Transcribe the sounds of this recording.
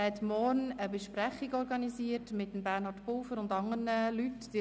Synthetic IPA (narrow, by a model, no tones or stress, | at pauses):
hɛtmɔɾnəbəʃpɾæχiɡɔɾɡɑnisiːətmɪtːəmbæːɾnhɔɾtpʊlfəɾʊndɑŋərnəlytd̥i